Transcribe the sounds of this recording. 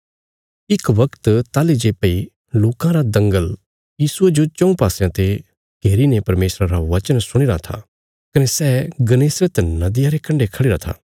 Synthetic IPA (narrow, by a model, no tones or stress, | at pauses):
ɪkʋɐkt̪t̪aːlid͡ʒeːpei | loːkãɾad̪ɐ̃ŋɡəl | jiːsued͡ʒot͡ʃɐ̃ũpaːsjãt̪e | ɡ̥ʱeːɾinepɐɾmeːsɾaɾaʋɐt͡ʃənsʊɽ̃iːɾat̪ʰa̰ | kɐnesɛːɡɐneːsɾət̪nɐd̪ɪjaɾekɐ̃ɳɖekʰɐɽeːɾat̪ʰa̰ː